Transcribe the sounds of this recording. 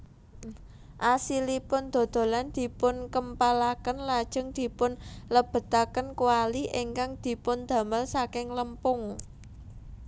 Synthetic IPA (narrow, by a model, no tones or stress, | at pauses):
ʔasilipʊnd̪̥o̤d̪̥o̤land̪̥i̤pʊnkəmpalakənlad̥ʒ̥ə̤ŋd̪̥i̤pʊnləb̥ə̤t̪akənkuwaliʔeŋkaŋd̪̥i̤pʊnd̪̥ä̤məlsakɪŋləmpʊŋ